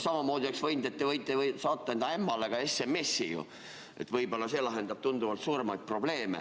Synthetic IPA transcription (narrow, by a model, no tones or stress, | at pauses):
sɑmɑmo̞ːd̪̥ʲioksvɤjnd̪et̪ːevɤjt̪ːˑevsɑːt̪ˑːɑend̪ɑemːɑle̞ɡ̥ɑe̞semːe̞sːijṵ | ʔe̞̰t̪ːˑvɤjbo̞lːɑse̞ːlɑɦe̞nd̪ɑb̥̚t̪und̪uvɑlt̪suːɾe̞mɑjt̪̚pro̞ble̞ːmḛ